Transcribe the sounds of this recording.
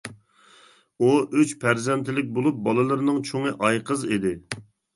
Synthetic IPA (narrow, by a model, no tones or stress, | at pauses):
uʔyt͡ʃpʰæɾzɛnt̪ʰɪlɪk̬̚ʲbolˠup̚bɑlˠɨlˠɨɾɨnɨŋt͡ʃʰoŋəʔɑjqʰəzid̪ɪ